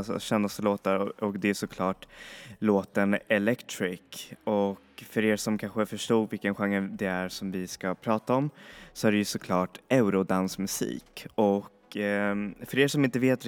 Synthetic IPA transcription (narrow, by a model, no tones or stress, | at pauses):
ɕɛnːast̪əloːt̪aɾɔkd̪ɛæʂɔkʰlɑːʈloːt̪ənɛlɛkt̪ʰɾɪkɔkfœɾeːɾʂɔmkʰanɧəfœʂʈuːɡvɪlkənɧaŋːəd̪ɛæɾsɔmvɪskapʰɾɑːt̪aɔmsɔæɖɛjɵsɔkʰlɑːʈɛʉɾʊd̪ansmɵsḭːkɔk | fœɾeːʂɔmɪnt̪əveːt̪